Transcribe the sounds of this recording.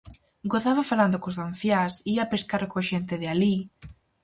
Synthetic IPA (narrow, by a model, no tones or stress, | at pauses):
ɡoθaβafaland̪ʊkozðanθjasiapeskaɾkoʃent̪ɪðɪali